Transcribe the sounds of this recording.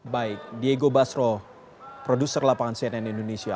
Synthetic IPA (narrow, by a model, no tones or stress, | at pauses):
baɪk̚dieɡobasɾɔ | pɾodusərlapaŋansiɛnɛnindonesia